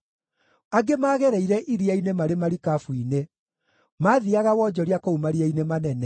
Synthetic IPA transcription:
aɡemaːɣɛɾɛiɾɛʔiɾiainemaɾemaɾikafwine | maðiaɣawɔːd͡ʒɔɾiakoumaɾiainemanɛnɛ

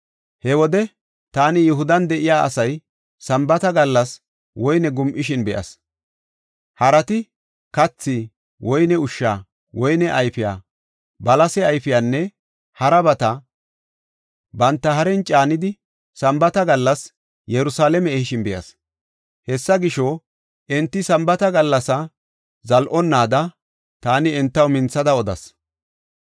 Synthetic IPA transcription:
hɛwɔd̪ɛ | t̪aːnɪjʊɦʊd̪ɐnd̪ɛʔɪjaːɐ̰sɐj | sɐmbɐt̪ɐɡɐlːɐs | wɔjnɛɡʊmʔɪʃɪnbɛʔɐ̰s | hɐɾɐt̪ɪ | kɐt͡sːi | wɔjnɛʊʃːaː | wɔjnɛʔɐjfɪja̰ː | bɐlɐsɛɐjfɪjaːnːɛ | hɐɾɐbɐt̪ɐ | bɐnt̪ːɐɦɐɾɛnt͡ʃʼaːnɪd̪ɪ | sɐmbɐt̪ɐɡɐlːɐs | jɛɾʊsaːlɛmɛːhɪʃɪnbɛjɐ̰s | hɛsːɐɡɪʃɔ | ʔɛnt̪ːɪsɐmbɐt̪ɐɡɐlːɐsɐ | zɐlʔɔnːaːd̪ɐ | t̪aːnɪɛnt̪ːɐwmɪnt͡sːɐd̪ɐɔd̪ɐ̰s

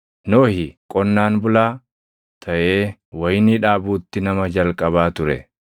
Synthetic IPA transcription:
noːhɪkʼɔnːaːnbʊlaː | t̪ʰɐʔe̞ːwɐjniːᶑaːbuːt̪ːɪnɐmɐd͡ʒɐlkʼɐβaːt̪ʊɾɛ̰

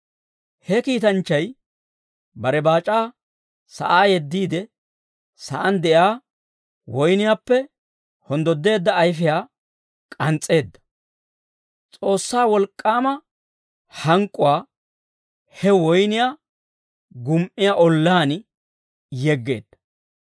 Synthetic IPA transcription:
hɛkiːt̪ɐnt͡ʃːɐj | bɐɾɛbaːt͡ʃʼaː | sɐ̰ʔaːjɛd̪ːiːd̪ɛ | sɐ̰ʔɐnd̪ɛʔjaː | wɔjnɪjaːpːɛ | hɔnd̪ɔd̪ːe̞ːd̪ːɐːjfɪjaː | kʼɐnt͡sʼːe̞ːd̪ːɐ̥ | t͡sʼo̞ːsːaːwɔlkʼːaːmɐ | hɐŋkʼːʊwaː | hɛwɔjnɪjaː | ɡʊmʔɪjaʔɔlːaːn | jɛɡːe̞ːd̪̥ːɐ

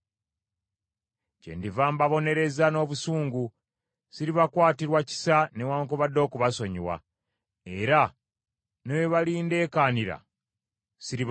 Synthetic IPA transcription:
cḛndivaːmbaβo̞ne̞ɾe̞zano̞ːβusuːŋɡu | siɾiβakwaːtiɾwaci̥sanewaːŋkoβadːo̞ːkuβaso̞ɲiwa̰ | e̞ɾa | noweβaliːnde̞ːkaːniɾa̰ | siɾiβ

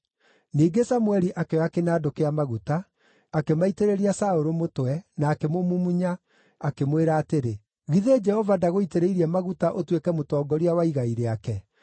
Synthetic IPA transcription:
niːɡesamuɛɾiʔakeɔakenaːdokeamaɣutaː | kemaiteɾeɾiasaoɾomotwɛnaːkemomumuɲa | akemweɾaːteɾe | ɣiðed͡ʒɛhɔvadaɣoiteɾeiɾiɛmaɣutaʔotwekɛmotɔːɡɔɾiawaiɣaiɾeakɛ

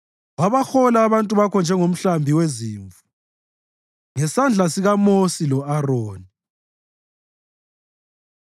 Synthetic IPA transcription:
waβaxɔlaːβantʼuβakʰɔnd͡ʒʱɛŋom̩ɬambʱiweziːɱvu | ŋɛsand͡ɮʱasiɣamosilɔarɔːni

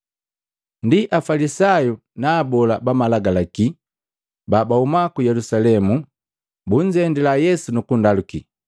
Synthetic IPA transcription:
ndiʔafalisaju | naːbɔlabamalaɡalaki | babaumakujɛlusalɛmu | buɲd͡ʒɛndilajɛsunukundalukḭ

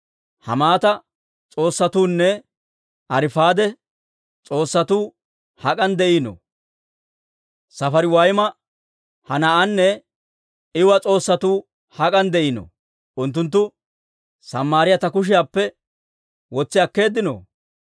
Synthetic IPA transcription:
hɐ̰maːt̪ɐ | t͡sʼo̞ːsːɐt̪uːnːɛ | ɐɾɪfaːd̪ɛ | t͡sʼo̞ːsːɐt̪uː | hɐkʼɐnd̪ɛʔinɔ̰ | sɐfɐɾɪwɐjmɐ | hɐnɐʔɐnːɛ | ɪwɐt͡sʼo̞ːsːɐt̪uː | hɐkʼɐnd̪ɛʔɪnɔ̰ | ʔʊnt̪ːʊnt̪̬ːʊ | sɐmːaːɾɪjɐt̪ɐkʊʃ̬ɪjaːpːɛ | wɔt͡sːɪɐkːe̞ːd̪ːɪno̰ː

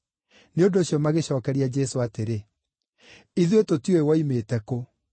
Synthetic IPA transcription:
neondoːɕjɔmaɣeɕɔːkɛɾiad͡ʑɛsoateɾe | iðuetotjoewaimeːtɛko

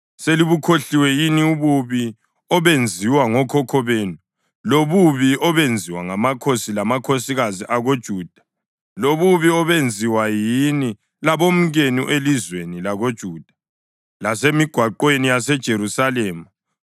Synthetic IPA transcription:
seliβukʰoɬiwɛjiniuβuβi | ɔβend͡zʱiwaŋɔkʰɔkʰɔβeːnu | loβuβiɔβend͡zʱiwaŋamakʰosilamakʰosiɣaziʔaɣod̥ʒ̥ʱuːd̥ʱḁ | loβuβiɔβend͡zʱiwajini | laβom̩ɣenuʔelizwenilaɣod̥ʒ̥ʱuːd̥ʱḁ | lasemiɡ̥ʱwaǃwenijasɛd̥ʒ̥ʱeɾusalɛːmu

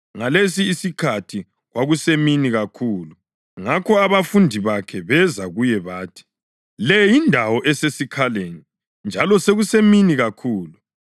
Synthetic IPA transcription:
ŋalesiːsikʰatʰi | ɣwaɣuseminiɣakʰuːlu | ŋakʰɔaβafundʱiβakʰɛβɛzaɣujɛβaːtʰi̥ | lɛjindʱawɔʔɛsesikʰaleni | nd͡ʒʱalɔseɣuseminiɣakʰuːlu

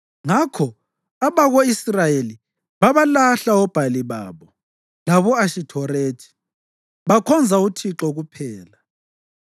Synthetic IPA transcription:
ŋakʰɔ | aβaɣoisrajeli | βaβalaɬaɔb̥ʱaliβa̰ːβɔ | laβɔaʃitʰɔɾeːtʰi̥ | βakʰɔnd͡zʱautʰiǁɔɣupʰɛːla

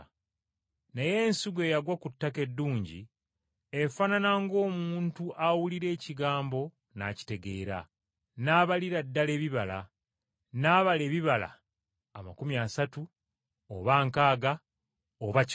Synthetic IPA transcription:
neje̞ːnsiɡe̞ːjaɡwakutːake̞dːuːɲɟḭ | efananaŋɡo̞ːmuuːntuʔawuliɾe̞ːciɡaːmbo̞ | na̰ci̥te̞ɡe̞ːɾa̰ | naːβaliɾadːale̞ːβiβala̰ | naːβale̞ːβiβala̰ː | makumjasatu | o̰βaːŋkaːɡa | oβa

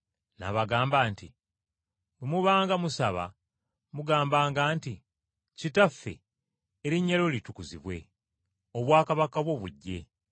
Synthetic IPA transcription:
na̰βaɡaːmbaːnti | bemuβaːŋɡamusaβa̰ | muɡaːmbaːŋɡaːnti | citafːḛ | eɾiɲːalo̞litukuzḭβwe̞̰ | oβwaːkaβakaβwo̞βuɟːe̞̰

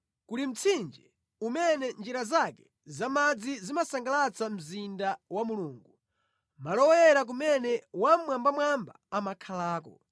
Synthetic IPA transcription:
kuɾim̩t͡sʰind͡ʒɛ | umɛnɛnd͡ʒiɾazakɛ̥ | zamad͡zizimasaŋɡalat͡sam̩zindawamuluːŋɡu | malɔwɛɾak̬umɛnɛwamwambamwamba̰ːmakʰalaːk̬ɔ̰

